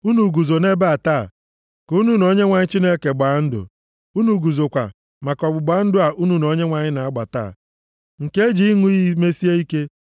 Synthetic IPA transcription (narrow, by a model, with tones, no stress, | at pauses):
u˦nu˨ɡu˨zo˨ne˦ba˦a˨taː˦˨ | ko˨˦nu˦no˨˦ɲe˦ŋʷa˨ɲɪ˦t͡ʃi˦ne˦ke˨ɡ͡ba˨˦n̩˦dʊ̰˨ | u˦nu˨ɡu˨zo˨kʷa̰˨ | ma˨kɔ˨bʊ˨ɡ͡ba˦n̩˦dʊ˦a˨ʔu˦nu˨no˨˦ɲe˦ŋʷa˨ɲɪ˦na˨a˦ɡ͡ba˨ta̰ː˦˨ | ŋ̩˨ke˦d͡ʒi˨i˦ŋu˦i˦i˦me˦si˦e˦i˦ke˦